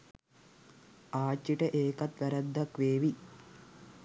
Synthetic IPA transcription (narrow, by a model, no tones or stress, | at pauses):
aːt͡ʃːiʈɐʔeːkɐt̪ʋɐɾɐd̪ʱːɐkʋeːʋi